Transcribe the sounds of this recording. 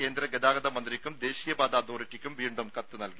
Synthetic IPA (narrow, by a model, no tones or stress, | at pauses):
ke̞ːnd̪ɾɐɡed̪aːɡɐd̪ɐmɐnd̪rikʲːumd̪e̞ːɕiːjɐbaːd̪aːd̪oːritːikʲːumʋiːɳɖumkɐt̪ːɨnɐlki